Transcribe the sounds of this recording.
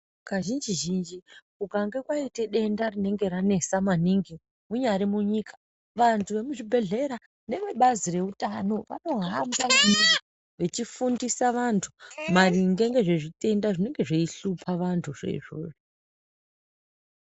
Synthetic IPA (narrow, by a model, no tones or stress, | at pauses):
kaʒind͡ʒiʒind͡ʒikuɡʱaŋɡe̞kwaite̞ɗe̞ndarine̞ŋɡe̞ɾane̞samaniŋɡi | muɲaɾimuɲikḁ | ʋantʰuʋe̞muʐibʱe̞ɮe̞ɾa | ne̞ʋeɓazire̞utano̞ʋa̰no̞ɦambaʋanini | ʋe̞t͡ʃifundisaʋantʰumariŋɡe̞ŋɡe̞ʐeʐite̞ndaʐine̞ŋɡe̞ʐeiɬupʰaʋantʰuʐe̞̰iʐo̰ːʐo